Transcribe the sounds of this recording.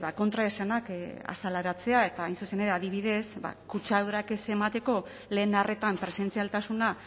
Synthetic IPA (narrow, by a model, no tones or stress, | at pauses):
βako̞nt̪ɾaesanaka̰salaɾat͡se̞ae̞t̪aːjnsuse̞ne̞ɾeaðiβ̞iðe̞sba̰kut͡ʃaðuɾake̞se̞mat̪e̞ko̞ | le̞ːnare̞t̪ampɾe̞se̞nt͡sialt̪asuna